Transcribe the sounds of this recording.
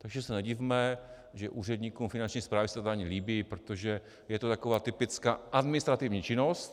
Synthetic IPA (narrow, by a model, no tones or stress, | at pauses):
t̪aɡʒɛsɛnɛɟɪvmɛ | ʒɛʔuːr̝ɛd̪ɲikumfɪnant͡ʃɲiːspɾaːvɪsɛ̥t̪ot̪ːaɲiliːbipɾot̪oʒɛ | jɛt̪ot̪akovaːt̪ɪpɪt͡skaːʔad̪mɪnɪst̪ɾat̪ɪvɲit͡ʃɪnost̪